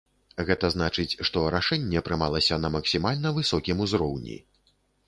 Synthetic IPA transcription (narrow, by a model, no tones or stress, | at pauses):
ɣɛt̪ɐzn̪at͡ʂɨt͡sʲʂt̪ɔɾaʂɛnʲːɛɐpɾɨmalˠɐsʲɐnɐmɐksʲimalʲnɐvɨsɔkʲimuzɾɔwnʲḭ